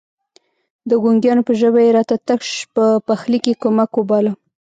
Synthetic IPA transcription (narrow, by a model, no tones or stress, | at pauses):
d̪əɡuŋɡjɑnopəʒəbajeɾɑt̪at̪akʃpəpaxlikekomakobɑla